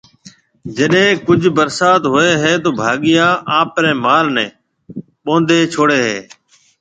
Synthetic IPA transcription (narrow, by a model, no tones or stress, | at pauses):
d͡ʒəɗɦẽːkʊd͡ʒʱbəɾsaːt̪ɦoːeːɦeːt̪oːbʱaːɠɪjãːʔaːpɾɛ̃ːmaːlnɛ̃ː | ɓõːnd̪ʱeːt͡ʃʰoːɽeːɦḛː